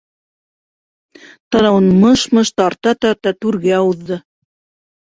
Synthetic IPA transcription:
t̪ɑnɑwɤnmɤʃmɤʃt̪ɑɾt̪ɑt̪ɑɾt̪ɑt̪ʉɾɡæɑwɤ̆ðːɤ

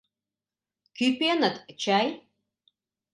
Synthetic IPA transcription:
kʲʰypʰʲʼenatʼt͡ʃʰaj

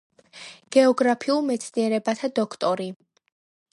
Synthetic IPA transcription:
ɡ̥ɛɔɡɾapʰiulˠmɛt̪sʰniɛɾɛbat̪ʰad̪ɔkʰt̪ʼɔɾi

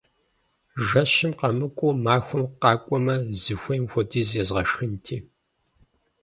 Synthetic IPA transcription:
ʒɐɕɪmqɐmɨkʷʼʊmaːxʷɔmqɑːkʷʼɔmɐzɨxʷɔjmxʷɔdizjɛzʁɐʃxɨntʰiː

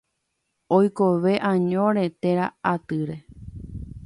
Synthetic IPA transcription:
ojkoʋe̞ʔãɲõɾe̞t̪eɾaat̪ɨɾe̞

